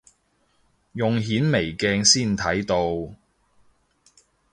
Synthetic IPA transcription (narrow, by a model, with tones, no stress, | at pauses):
jʊ˨ŋɦiː˨˥nme˨˩jkɛː˧ŋsiː˥˩nt̪ʰɐ˨˥jt̪o˧w